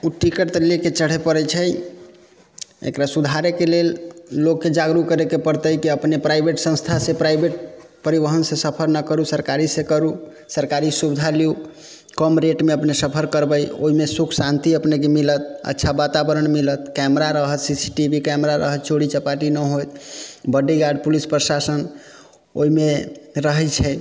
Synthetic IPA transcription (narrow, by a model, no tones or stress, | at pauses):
uʈikəʈt̪əleket͡ʃəɽ̤epəɾɛt͡ʃʰəj | ḛkɾasud̪ʱaɾekelelːokːed͡ʒaɡɾukəɾekepəɾt̪əjkiəpnepɾaibʱeʈsə̃ñst̪ʰasepɾaibeʈ̚ | pəɾibəɦənsesəpʰəɾnəkəɾusəɾkaɾisekəɾu | səɾkaɾisubid̪ʱaliu | kəmɾeʈmeəpnesəpʰəɾkəɾbəjo̰ɦimesukʰsant̪iəpnekemilət̪̚ə̰tːʃʰabat̪abəɾəɳmilət̪kɛmɾaɾəɦət̪sisi̥ʈibikɛmɾaɾəɦət̪̚t͡ʃʰoɽit͡ʃəpaʈinəɦojt̪bəɖːiɡaɖpulispɾəsasən | o̰ɦimeɾəɦɛt͡ʃʰɛ